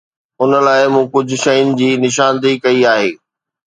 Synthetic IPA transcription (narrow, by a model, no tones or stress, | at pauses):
ʊnəlaːɪmũːkʊd͡ʑʱʊ̆ʃɐjʊnɪ̆d͡ʑiːnɪʃaːnd̪ikɐiaːɦeː